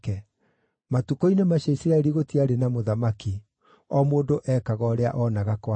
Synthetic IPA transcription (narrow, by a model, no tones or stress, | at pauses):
kɛ | matukoinemaʃaisiɾaɛɾiɣotiaɾenamoðamaki | ɔmoːdoʔɛkaɣɔɔɾeaʔɔnaɣakwa